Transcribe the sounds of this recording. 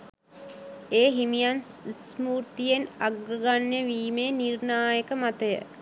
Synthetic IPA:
eːɦimijan | smuːɾt̪ijenaɡɾəɡanjeʋiːmeːnirnaːjəkəmat̪əjə̰

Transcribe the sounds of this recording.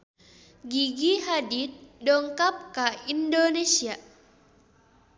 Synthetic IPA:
ɡiɡiɦadit̪̚dɔŋkap̚kaindonesia

